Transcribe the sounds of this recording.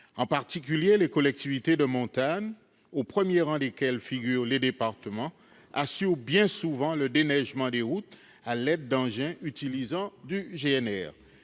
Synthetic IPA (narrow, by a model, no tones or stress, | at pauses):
ɑ̃paʁt̪ikʲyljelekɔlɛk̚t̪ivit̪ed̪əmɔ̃t̪aɲ | opχəmjeʁɑ̃d̪ekʲɛlfiɡʲyːʁled̪epaʁt̪əmɑ̃ | asyʁbjɛ̃suvɑ̃ləd̪enɛʒmɑ̃d̪eʁut̪ | alɛd̪̚ːɑ̃ʒɛ̃ʔyt̪ilizɑ̃d̪yʒeɛnɛ̰ːʁ